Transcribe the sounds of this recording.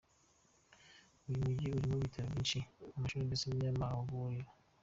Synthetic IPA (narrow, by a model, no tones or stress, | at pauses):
uimuɟiuɾimoβitʰaɾoβiːnʃiamaʃuɾemesemɲamaoβuɾiɾa